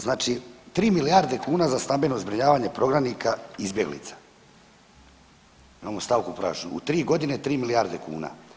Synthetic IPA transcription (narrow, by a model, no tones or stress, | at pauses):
znaːt͡ʃit̪ɾiːmilijaːɾd̪e̞kuːnazast̪ambe̞no̞zbɾiɲaːʋaːɲe̞pɾo̞ɡɾamnikʰaizbje̞ɡlḭt̪sḁ | imamost̪aʋkupɾa̰ːʃuṵt̪ɾiːɡo̞d̪ine̞t̪ɾiːmilijaɾd̪e̞kṵːna̰